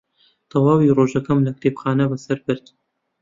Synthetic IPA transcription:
t̪ʰɐwɑːwiroːʒɐkɐmlɐkɾepxɑːnɐbɐsɐɾbɨɾd̪

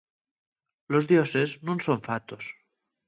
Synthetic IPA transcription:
lozðjoseznũnsoɱfat̪os

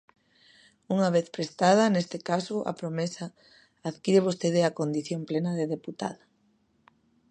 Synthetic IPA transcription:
uŋaβ̞eθpɾest̪að̞ɐnest̪ɪkasʊʔa̰pɾomesaː | ðkiɾeβ̞ost̪eðɪɐkond̪iθjomplenɐðeðeput̪a̰ðɐ

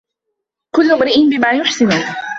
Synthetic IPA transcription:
kʊlːʊmɾɪʔɪnbɪmaːjʊħsɪnuː

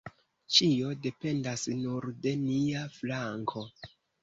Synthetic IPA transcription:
t͡ʃio̞de̞pe̞ndasnuɾde̞niaflaŋkʰo̞

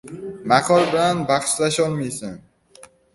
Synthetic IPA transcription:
maqʰɒɾbɪlanbaχʃlaʃɒlˠmajsan

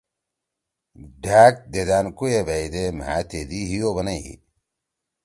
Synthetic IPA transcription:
ɖʱaːk̚d̪ed̪aːnkujebaid̪ema̰t̪ed̪iɦijobɐnɐjḭ

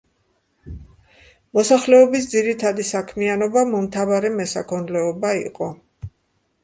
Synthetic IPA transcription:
mɔsaχlɛɔbis̬d̪ziɾit̪ʰad̪isakʰmianɔbamɔmt̪ʰavaɾɛmɛsakʰɔnlɛɔbaḭqʼɔ

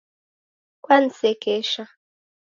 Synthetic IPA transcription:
kwan̩sekeʃa

